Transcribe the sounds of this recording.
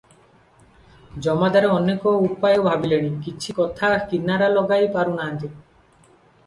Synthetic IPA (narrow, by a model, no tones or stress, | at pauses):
d͡ʒɔmad̪aɾeɔnekɔupajɔbʱabileɽ̃ikit͡ʃʰikɔt̪ʰakinaɾalɔɡajpaɾunaɦant̪i